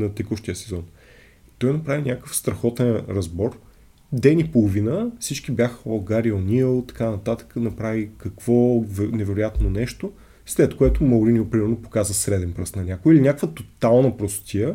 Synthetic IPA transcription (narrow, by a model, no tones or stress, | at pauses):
nɐt̪ikoʃt̪ijəsɛzɔn | t̪ɔjnɐpɾavinʲakəfst̪ɾɐxɔt̪ɛnɾɐzbɔɾ | d̪ɛnipolˠovinəfsit͡ʃk̟ibjaxəɐɡaɾionʲilˠt̪ɐ̥kanɐt̪at̪ə̥kənɐpɾavikɐkv̥ɔvnɛvɛɾojat̪nonɛʃt̪o | slɛt̪koɛt̪ʊmɐwɾiniʊpɾimɛɾnopo̥kazəsɾɛd̪ɛnpɾəsnɐnʲakoilinʲakvət̪ot̪alˠnəpɾɔst̪t̪iə